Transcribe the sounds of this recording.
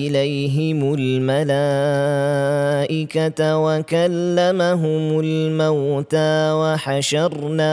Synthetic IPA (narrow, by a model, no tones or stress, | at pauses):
ɪlajɦɪmʊlmalaː | ʔɪkawakalːamaɦʊmʊlmawt̪aːwaħaʃɑɾˤnaː